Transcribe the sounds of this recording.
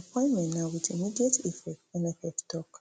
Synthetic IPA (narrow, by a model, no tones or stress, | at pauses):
apʰɔ̃ɪ̃nmɛ̃nnãwidimidietifɛkɛ̃nɛfɛftʰɔk